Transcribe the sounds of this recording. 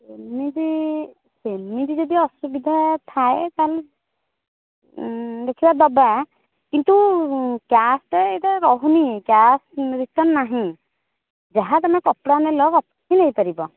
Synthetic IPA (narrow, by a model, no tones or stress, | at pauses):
senmidi | semmidizɔd̪iɔsubid̪ʱat̪ʰaekal | d̪ekʰibad̪ɔba | kint̪ukjasʈeetaɾɔɦunikjasɹisɔnːaɦĩ | d͡ʒaɦat̪amkɔpɽanɛlɔkɔptʰinejpaɾibɔ